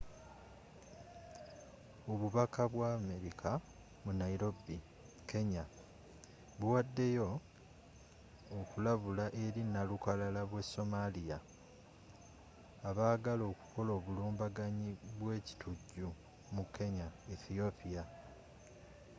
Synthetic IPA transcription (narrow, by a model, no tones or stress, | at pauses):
oβuβakʰaβwaːme̞ɾikʰa | munaiɾo̞bi | kʰe̞ɲa | βuwadːe̞jo̞ | kulaβulaʔe̞ɾinalukalalaβwe̞so̞malija | βaːɡalo̞ːku̥ko̞lo̞ːβuluːmbaɡaɲiβwe̞ːci̥tʰuɟːu | mukʰːe̞ɲaiθio̞pia